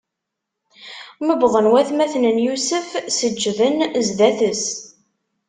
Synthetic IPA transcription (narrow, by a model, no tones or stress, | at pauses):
məbðˤənwæθmæθnənjusəfsəd͡ʒːðənzd̪æθəs